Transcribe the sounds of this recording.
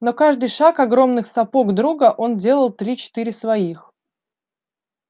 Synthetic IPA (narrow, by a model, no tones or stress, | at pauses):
no̞kaʐd̪ɨjʂakɐɡɾo̞mnɨxsɐpo̞ɡd̪ɾuɡəʔo̞ndʲe̞lˠəlˠt̪ɾʲit͡ɕɪ̥t̪ɨɾʲɪsvɐix